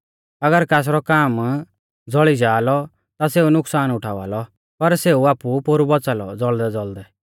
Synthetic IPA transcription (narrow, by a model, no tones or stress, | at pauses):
ɐɡəɾkaːs̬ɾɔkaːm | d͡zɔɭid͡ʒaːlɔ | t̪aseunʊksaːnʊʈʰaːʋa̰ːlɔ | pɐɾseuaːpupoɾubɔt͡saːlɔ̰d͡zɔɭd̪ɛd͡zɔld̪ɛ